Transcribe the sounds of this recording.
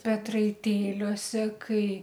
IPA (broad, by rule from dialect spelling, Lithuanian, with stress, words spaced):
pʲɛtrɐɪˈtʲeːlʲuɔsʲɛ ˈkɐɪ